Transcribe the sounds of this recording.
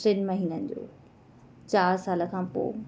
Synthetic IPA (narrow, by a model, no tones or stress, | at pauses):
sɪnmɐɦiːnənd͡ʑo̰ː | t͡ɕaːɾsaːlə̆kʰãːpo̰ː